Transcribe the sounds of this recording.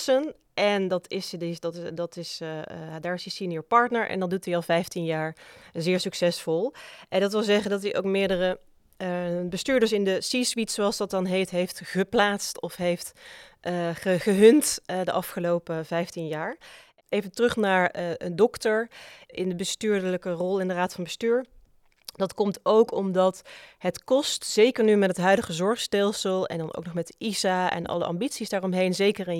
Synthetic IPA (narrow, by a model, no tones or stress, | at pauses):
sən | ʔɛndɑtɪsdɪdɑtdɑtɪsadaːɹɪsisinəɹpɑɹtnəɹʔɛ̰ndɑndutiɑlˠvɛjftinjaːɹzɪːɹsyksɛsfɔlˠʔɛndɑtʋɪlˠzɛχəndɑt̬iʔo̰wkmɪːɹdərə | bəstyːɹdəɹsɪndəsisʋitsoɑlˠsdɑt̚dɑnɦejftɦejftχəplaːtstɔfɦejftʔəχəχəɦɵntdəʔɑfχəlowpəvɛjftinjaːɹ | ʔejvəntrɵχnaːɹʔəndɔktəɹʔɪndəbəstyːɹdələkərɔlˠɪndəraːtfɑnbəstyːɹ | d̥ɑtkɔmtowkʰɔmdɑtɦətkɔstz̥ejkəɹnymɛtətɦœɥdəχəzɔɹχstɛlˠsəlˠɛ̰ndɑno̰wknɔχmɛtizaɛ̰nʔɑ̰lˠə̰ʔɑ̰mbitsisdaːɹɔmɦejnzejkəɹɪn